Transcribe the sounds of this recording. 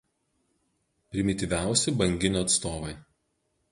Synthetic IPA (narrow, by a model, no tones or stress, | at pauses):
pʲɾʲɪmʲɪt̪ʲiʋʲæˑʊsʲɪbɐŋʲɡʲɪnʲoːɐt̪st̪oːʋɐɪ